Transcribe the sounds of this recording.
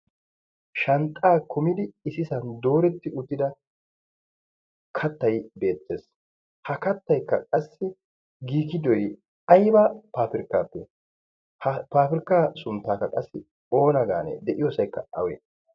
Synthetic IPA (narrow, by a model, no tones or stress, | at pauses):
ʃɐnt̪ʼaːkʰʊmɪd̪ɪɪsɪsɐnd̪o̞ːɾɛt̪ːɪʊt̪ːɪd̪ɐ | kʰɐt̪ːɐjbe̞ːt̪ːe̞ːs | hɐkɐt̪ːɐjkːɐ̰kʼɐsːɪ | ɡiːkɪd̪ɔj | ɐjbapaːfɪɾkːaːpːɛ | paːfɪɾɪkːaːsʊnt̪ːaːkːɐkʼɐsːɪ | o̞ːnɐɡa̰ːnɛ̰d̪ɛʔɪjoːsɐjkːɐ̰ɐ̰wɛ̰